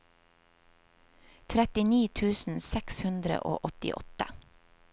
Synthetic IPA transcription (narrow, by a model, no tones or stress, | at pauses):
t̪ʰɾɛt̪ɪniːt̪ʰʉːsn̩sɛkshʉnd̪ɾə̰ʔo̰ːʔɔt̪ɪ̰ʔɔ̰t̪ə